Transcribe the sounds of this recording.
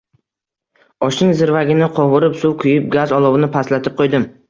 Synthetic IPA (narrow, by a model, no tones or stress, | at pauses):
ɒʃnɪŋzɪɾvaɡʲɪnɪqʰɒʁʊɾɪpsʊwkʰʊjɪp̚ɡʲazɒlˠɒwɪnɪpʰaslat̪ʰɪp̚qʰojd̪ɪm